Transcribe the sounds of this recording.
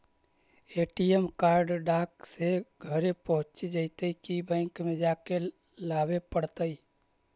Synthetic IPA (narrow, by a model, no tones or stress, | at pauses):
eʈijemkaːɾɖɖaːkseɡʱəɾepəɦʊ̃t͡ʃed͡ʒəɪt̪əikibɛ̃ɪŋkmẽd͡ʒake | laːbepəɽt̪əi